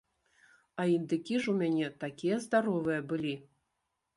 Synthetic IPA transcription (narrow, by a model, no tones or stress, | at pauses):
aind̪ɨkʲiʐumʲanʲɛt̪akʲijɛzd̪aɾɔvɨjɛbɨlʲi